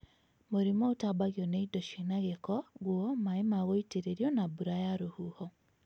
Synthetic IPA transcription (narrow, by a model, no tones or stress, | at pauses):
moɾimɔotabaɣjɔneidoʃinaɣekɔɣwɔmaemaɣoiteɾeɾiɔnabuɾajaɾohuhɔ